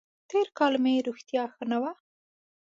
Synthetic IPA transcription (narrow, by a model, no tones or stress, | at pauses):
t̪eɾkɑlmeɾuxt̪jɑxənawa